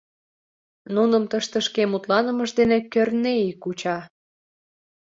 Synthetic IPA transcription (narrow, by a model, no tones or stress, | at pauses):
nunəmt̪əʃt̪ə̆ʃkemut̪lɑnə̆məʒd̪enekørneikut͡ɕɑ